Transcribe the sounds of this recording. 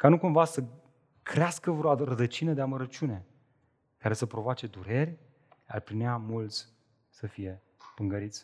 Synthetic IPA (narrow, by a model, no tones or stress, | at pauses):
kanukumvasə | kɾeaskəvɾoaɾəd̪ət͡ʃinəd̪eaməɾət͡ʃʲune̞ | kaɾe̞səpɾo̞voat͡ʃe̞d̪uɾe̞rʲ | a̰rpɾineamult̪sʲ | səfije̞ | pɨŋɡəɾit̪sʲ